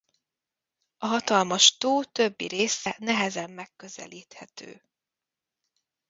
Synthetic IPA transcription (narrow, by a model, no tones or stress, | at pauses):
ɒɦɒt̪ɒlmɒʃt̪oːt̪ø̞bːḭɾeːsɛnɛɦɛzɛmːɛkːø̞zɛ̰liːt̪hɛt̪ø̰ː